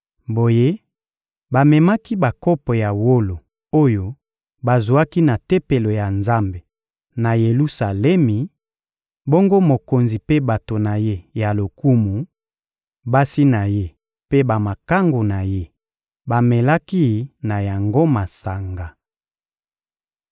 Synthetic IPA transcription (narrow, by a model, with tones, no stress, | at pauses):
bo˨je˦ | ba˨mɛ˨ma˦ki˦ba˨ko˦pɔ˨ja˨wo˦lo˨ | o˦jo˦ | ba˨zu˨a˦ki˦na˨te˦pe˨lo˨ja˨nza˦mbe˨ | na˨je˨lu˦sa˨lɛ˦mi˨ | bo˦ŋɡo˦mo˨ko˨nzi˨pe˦ba˨to˨na˨je˦ja˨lo˨ku˦mu˨ | ba˦si˦na˨je˦ | pe˦ba˨ma˨ka˦ŋɡo˨na˨je˦ | ba˨mɛ˨la˦ki˦na˨ja˨ŋɡo˦ma˨sa˨ŋɡa˨